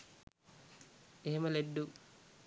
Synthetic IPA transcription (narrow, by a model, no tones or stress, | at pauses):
eɦeməleɖːu